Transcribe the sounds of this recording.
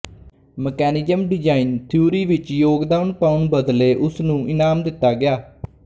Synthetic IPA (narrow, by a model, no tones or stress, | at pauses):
məkɛːnɪzəmɖɪd͡ʒaːiːnt̪ʰuːɾiːʋɪt͡ʃjoːɡd̪aːmpaʊnbəd̪leːʔʊsnũːʔɪnaːmd̪ɪt̪ːaːɡɪjaː